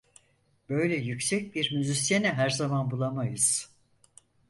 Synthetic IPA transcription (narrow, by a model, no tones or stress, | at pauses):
b̥ø̞jlʲɛjycʲsɛc̚biɾmyzisjenɛɦæɾzamanbulˠamajɯz̥